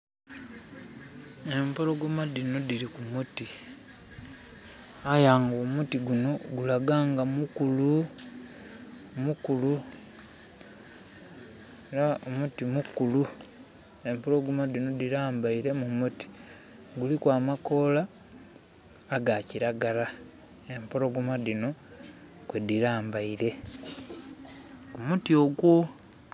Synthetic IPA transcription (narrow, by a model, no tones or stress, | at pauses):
e̞mpoloɡumadino̞diɾikumuti | ajaːŋɡomutiɡuno̞ɡulaɡaːŋɡamukulu | mukulu | eɾaomutimukulu | e̞mpoloɡumadino̞diɾaːmbaiɾe̞mumuti̥ | ɡulikwaːmako̞la | ɡaciɾaɡala | e̞mpolo̞ɡumadino̞ | kwediɾaːmbaiɾe̞ | umutio̞ɡwo̞